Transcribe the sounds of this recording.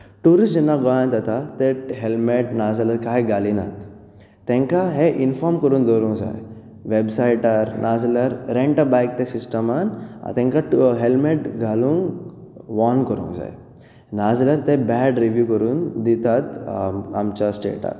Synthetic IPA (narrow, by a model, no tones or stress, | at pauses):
ʈuːɾisd͡ʒenːaɡɔjãnt̪at̪at̪eɦelmeʈnaːzlɐɾkaɦeɡalinat̪ | t̪ẽŋkaɦeʔinfɔɾmkɔɾuːnd̪oɾũŋza̰j | ʋebsaiʈəɾnʔaːzləɾɾeɳʈəbajk̚t̪esisʈəmana̰t̪ẽŋkaɦelmeʈɡʱalũŋɡʋɔnkəɾṵ̃ŋɡza̰j | naːzləɾt̪ebɛɖɾiʋjukɔɾuːnd̪it̪at̪amt͡ɕasʈḛːʈa̰